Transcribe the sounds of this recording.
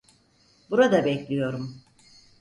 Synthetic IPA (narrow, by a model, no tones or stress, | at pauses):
buɾad̪abɛclʲijo̞ɾum